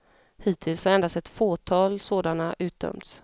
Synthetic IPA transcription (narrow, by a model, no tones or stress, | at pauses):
hiːt̪ʰɪlshaɾɛnd̪ast̪ɛt̪foːt̪ʰɑːlsoːd̪anaʔʉ̟ːt̪̚d̪œ̰mt̪s